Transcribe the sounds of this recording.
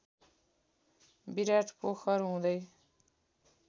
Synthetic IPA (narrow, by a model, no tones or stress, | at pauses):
biɾaːʈʰpoxəɾɦũːd̪əj